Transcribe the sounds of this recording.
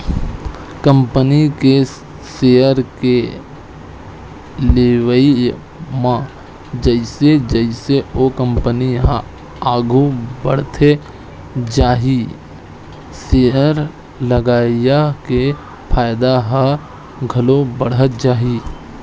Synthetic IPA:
kə̃mpənike | seːəɾke | leːwəi | mã | d͡ʒəɪsed͡ʒəɪseokə̃mpəniɦã | aːɡʱubəɽ̤t̪ʰe | d͡ʒaːɦi | seəɾ | ləɡaːjake | pʰaːjd̪aɦã | ɡʱɐlobəɽət̪̚d͡ʒaːɦi

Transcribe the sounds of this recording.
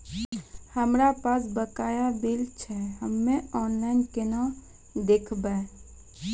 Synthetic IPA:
həmɾapasbəkaːjabilt͡ʃʰɛɦəmːẽɔːnlaɪnkena | d̪eːkʰbae

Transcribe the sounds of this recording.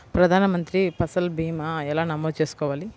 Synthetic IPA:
pɾɐd̪ʱaːnɐmɐnt̪ɾipɐsɐlbʱiːmaɛlaːnɐmoːd̪t͡ʃeːsu̥kɔːʋaːli

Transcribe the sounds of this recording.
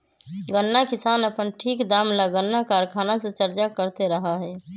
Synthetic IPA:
ɡənːakɪsaːnəpənʈʰiːkd̪aːmlaɡənːakaɾkʰaːnasẽt͡ʃəɾt͡ʃakəɾt̪eɾəɦaɦɛː

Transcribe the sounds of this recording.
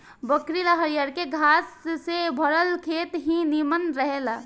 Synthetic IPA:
bəkɾilaɦəɾijaɾkeɡʱassebʱəɾəlkʰet̪ɦĩnimənɾəɦela

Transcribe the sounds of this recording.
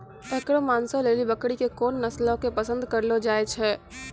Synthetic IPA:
eːkɽomaːnsoleːlibɐkɽikekoːnːɐslõkepəsə̃nd̪kɐɾlod͡ʒaːet͡ʃʰɛː

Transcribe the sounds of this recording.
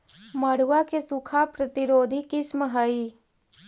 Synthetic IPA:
məɽ̤uwakesukʰapɾət̪ɪɾoːd̪ʱikɪsməɦəi

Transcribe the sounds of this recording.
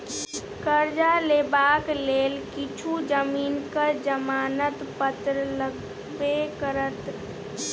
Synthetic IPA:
kəɾd͡ʒalebakleːlkit͡ʃʰud͡ʒəmiːnkəɾd͡ʒəmaːnət̪pət̪ɾələɡ | bekəɾət̪

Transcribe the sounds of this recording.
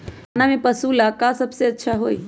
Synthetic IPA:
anamẽpəsulakasəbseətːʃʰaɦoːi

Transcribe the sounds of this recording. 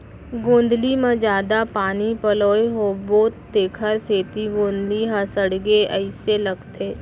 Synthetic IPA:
ɡõːnd̪limẽd͡ʒjaːd̪apaːnipəloːeɦoboːt̪ːeːkʰəɾseːt̪iɡõːnd̪liɦə̃səɽɡeəɪselɐɡt̪eː

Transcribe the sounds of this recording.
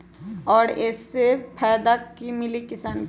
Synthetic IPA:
ɔːɾɛːsːepʰɛːd̪akimɪlikɪsaːn

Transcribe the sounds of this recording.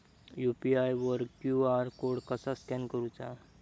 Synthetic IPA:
jupiajʋəɾkkjuaɾkoɽkəsaskɛnkəɾut͡ʃa

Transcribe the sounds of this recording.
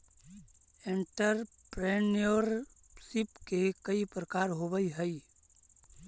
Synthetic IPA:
ẽɳʈəɾ | pɾenijoɾ | sipkekɐipɾəkaːɾɦobəiɦəi

